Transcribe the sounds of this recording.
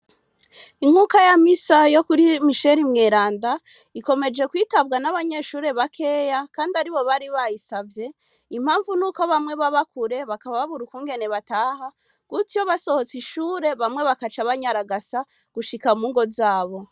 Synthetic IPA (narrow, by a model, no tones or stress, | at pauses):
iŋhuːkajamisajo̞kuɾimiʃe̞ɾimŋe̞ːɾaːnda | iko̞me̞d͡ʒe̞kwiːtabɡanaβaɲe̞ːʃuːɾe̞βakʰe̞ːjakaːndaɾiβo̞βaɾiβajisavje̞ | im̥haːɱvunuːko̞βamŋe̞βaβakuɾe̞βakaβaβaβuɾukuːŋɡe̞ne̞βataːha | ɡ̥utijoβaso̞ho̞t͡siʃuːɾe̞βamŋe̞βakat͡ʃaβaɲaɾaɡasa | ɡ̥uʃikamuːŋɡo̞zaːβo̞